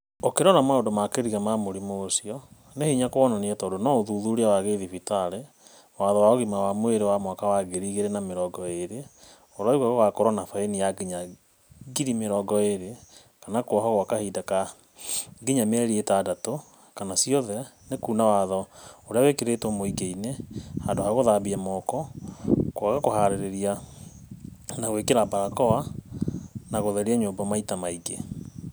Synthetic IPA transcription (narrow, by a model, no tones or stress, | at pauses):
okeɾɔnamaondomakeɾiɣamamoɾimoːsiɔ | nehiɲakoɔnaniɛtaodonɔoðuðuɾeawaɣeðifitaɾe | waðɔwaoɣimawamweɾewamwakawaɣeɾiɣeɾenameɾɔɡɔeɾe | oɾaiɣaɣɔwakoɾɔnafaenijaɡiɲa | ɡiɾimeɾɔːɡɔeɾe | kanakwɔɦɔɣwakahidaka | ɡiɲamɛɾietaːdato | kanasiɔðɛnekunawaðɔoɾeawekeɾetwɔmoiɡeinehandohaɣoðabiamɔkɔ | kwakakohaɾeɾeɾia | naɣwekeɾabaɾakɔwa | naɣoðɛɾiaɲoːmbamaitamaiɡḛ